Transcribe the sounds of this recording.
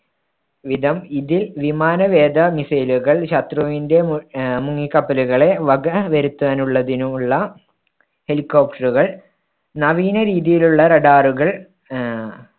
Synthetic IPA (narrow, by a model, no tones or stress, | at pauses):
ʋid̪ʱɐmiðilʋimaːnɐʋeːd̪ɐmisɐjluɣɐɭɕɐt̪rɐʋinde̞muŋːikːɐpːɐluɣɐɭe̞ʋɐɡɐʋɐɾut̪ːɐɐːnuɭːɐðinumuɭːɐ | he̞likːo̞ːp̚ʈɐruɣɐɭ | nɐʋiːnɐɾiːðijiluɭːɐɾɐɖaːruɣɐɭ